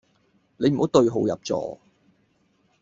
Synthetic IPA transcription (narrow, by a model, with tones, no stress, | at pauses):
ne˨˧jm̩˨˩o˨˥wt̪ɵ˧ɥɦo˨˧wjɐ̰˨p̚t͡sɔ̰ː˨˧